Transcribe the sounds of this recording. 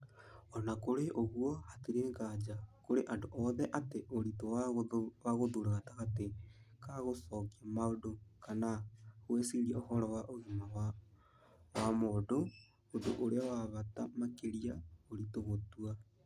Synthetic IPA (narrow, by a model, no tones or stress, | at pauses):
ɔnakoɾeʔoɣuɔhatiɾeŋɡad͡ʒakoɾeʔadoʔɔðɛʔateʔoɾito | waɣoðuɾaɣataɣatekaɣosɔkiamaodokanahuesiɾiaohɔɾɔwaʔoɣimawa | wamodo | odo̰ʔoɾeawaβatamakeɾiaoɾitoɣotua